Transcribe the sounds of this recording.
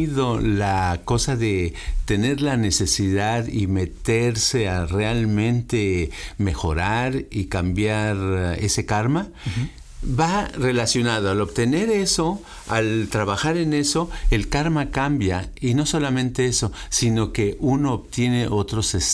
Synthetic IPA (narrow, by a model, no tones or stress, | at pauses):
ðo̞lako̞saðe̞t̪e̞ne̞ɾlane̞se̞siðaðime̞t̪eɾse̞arealmẽ̞nt̪e̞me̞xo̞̰ɾaɾikambjaɾe̞se̞kaɾma | βarelasjo̞naðoalo̞βt̪e̞ne̞ɾe̞so̞ | a̰lt̪ɾaβaxaɾene̞so̞e̞lkaɾmakambjaino̞so̞lamẽ̞nt̪e̞eso̞sino̞ke̞ʔuno̞ːβt̪je̞ne̞ʔo̞t̪ɾo̞ses